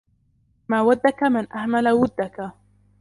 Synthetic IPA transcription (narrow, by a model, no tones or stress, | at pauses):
maːwad̪ːakamɪnʔahmalawʊd̪ːaka